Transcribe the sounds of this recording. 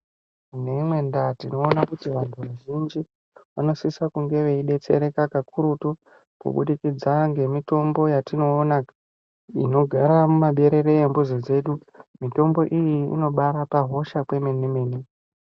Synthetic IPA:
ne̞imwe̞ndatino̞ːnakutiʋantʰuʋaʒind͡ʒi | ʋano̞sisakuŋɡe̞ʋe̞iɗe̞t͡se̞̰ɾe̞kakakʰuɾutu | kṵɓṵɗikid͡zaŋɡe̞mito̞mbo̞jatino̞ːnak | ino̞ɡʱaɾamumaɓe̞ɾe̞ɾe̞embuzod͡ze̞ɗu | mito̞mbo̞ʔijiḭno̞ɓaɾapaɦo̞ʃakwe̞menimeːni

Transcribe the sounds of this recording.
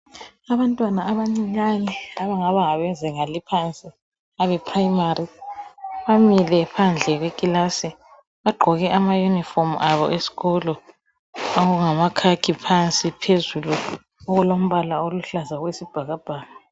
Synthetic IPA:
aβantʼwanaːβaŋ͡ǀiɲaniaβaŋaβaŋaβɛnd͡zʱɛŋalipʰant͡sʼi | aβɛpʰraimari | βamilɛpʰand͡ɮʱɛɣwekʼilasi | βaɡ͡ǃʱɔɣɛʔamajunifɔmʔaβɔ̰ʔesi̥ɣɔlɔ | aɣuŋamakʰakʰipʰant͡sʼipʰezulu | ɔɣulom̩βalaoluɬazaɣwesib̥ʱaɣab̥ʱaːna

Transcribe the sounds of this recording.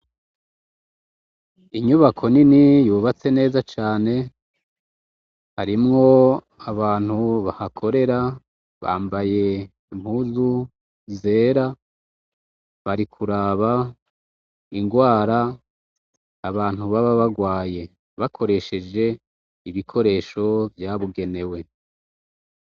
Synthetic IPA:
iɲuβakʰo̞ninijuːβat͡se̞ne̞ːzat͡ʃaːne̞ | haɾimŋo̞ | aβaːn̥huβahakʰo̞ɾe̞ɾa | βa̰ːmbaje̞ | im̥huːzu | ze̞ːɾa | βaɾikʰuɾaβa | iŋɡwaːɾa | aβaːn̥huβaβaβaɡwaːje̞ | βakʰo̞ɾe̞ʃe̞d͡ʒe̞ | iβikʰo̞ɾe̞ːʃo̞vjaβuɡe̞ne̞we̞

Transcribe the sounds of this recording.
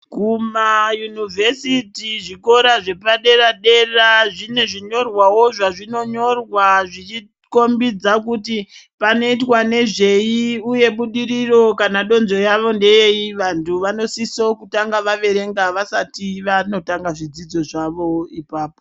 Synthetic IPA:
kumajunivʱe̞sitiʐiko̞ɾaʐe̞paɗe̞ɾaɗe̞raʐine̞ʐiɲo̞rwawo̞ʐaʐino̞ɲo̞rwaʐit͡ʃi | ko̞mbid͡zakuti | pano̞itwane̞ʐe̞jiuje̞ɓuɗiɾiro̞kanaɗo̞nzo̞jaʋo̞nde̞jeiʋantʰuʋano̞sisokutaŋɡaʋaʋe̞ɾe̞ŋɡaʋasatiʋano̞taŋɡaʐid͡zid͡zo̞ʐaʋo̞ipaːpo

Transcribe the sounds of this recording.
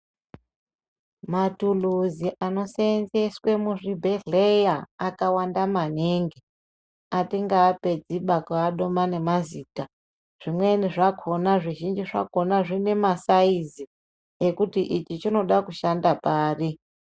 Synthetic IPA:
matuluziʔano̞senzeswe̞muʐibʱeɮejaakawandamaneːŋɡi | atiŋɡaːpe̞d͡ziɓakaːɗo̞mane̞maziːta | ʐ̥imwe̞niʐakʰo̞naʐiʒind͡ʒiʐa̰ko̞naʐine̞masaizi | ekutiʔit͡ʃit͡ʃino̞ɗakuʃandapaːri

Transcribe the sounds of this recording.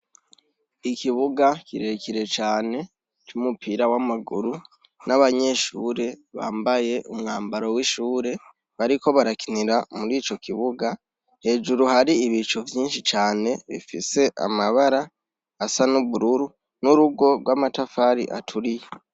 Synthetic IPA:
ikiβuɡakiɾe̞ciɾe̞t͡ʃaːne̞ | t͡ʃumupʰiɾawamaɡuɾu | naβaɲe̞ʃuːɾe̞βa̰ːmbaje̞ʔumŋaːmbaɾo̞wiʃuːɾe̞ | βaɾiko̞βaɾakiniɾamuɾiːt͡ʃo̞kiβuɡa | he̞ːd͡ʒuɾuhaɾiːβit͡ʃuvjiːnʃit͡ʃaːne̞βḭfḭse̞ʔa̰maβaɾaː | sanuβuɾuɾu | nuɾuɡo̞ɾwaːmatafaɾḭʔa̰tʰuɾije

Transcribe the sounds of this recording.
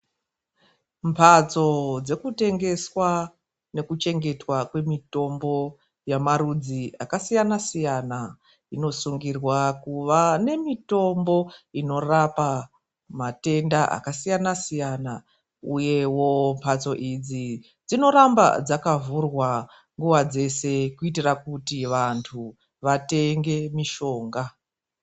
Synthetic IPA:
mpʰat͡so̞d͡ze̞kute̞ŋɡe̞swa | ne̞kut͡ʃe̞ŋɡe̞twakwe̞mito̞mbo̞ | jamarud͡ziakasijanasijana | ino̞suŋɡirwakuʋane̞mito̞mbo̞ino̞rapa | mate̞ndaʔa̰kasijanasijana | uje̞wo̞mpʰat͡so̞ʔid͡zi | d͡zino̞ɾamba̰d͡zakavurwa | ŋɡuwad͡ze̞se̞kuitirakutiʋantʰu | ʋate̞ŋɡe̞miʃo̞ːŋɡa

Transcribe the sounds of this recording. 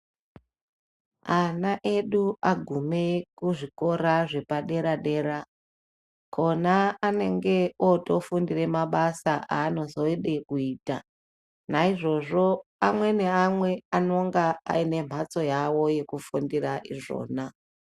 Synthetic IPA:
anaʔe̞ɗuaɡʱumekuʐiko̞ɾaʐe̞paɗe̞ɾaɗe̞ːɾa | kʰo̞naːne̞ŋɡe̞oto̞fundire̞maɓasaʔaːno̞zo̞eɗe̞kuiːta̰ | naiʐo̞ʐo̞amwe̞ne̞amwe̞anoŋɡaa̰ine̞m̤ʱat͡so̞jawo̞je̞kufundiraʔiʐo̞̰ːna

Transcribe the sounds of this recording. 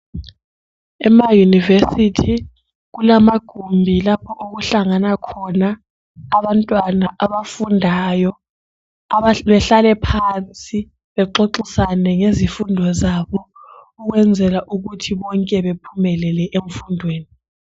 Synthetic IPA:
ɛmajunivesitʰi | k̬ulamaɡ̥ʱumbʱilapʰɔʔok̬uɬaŋanakʰɔnaː | ɓantʼwanaʔaɓafundʱajɔ | ɓɛɬalɛpʰant͡sʼi | ɓɛǁoǃisanɛŋezifundʱɔzaɓɔ | uk̬wɛnd͡zʱɛlaʔuk̬utʰiɓɔŋkʼɛɓepʰumɛlɛlɛʔeɱfundʱweːni

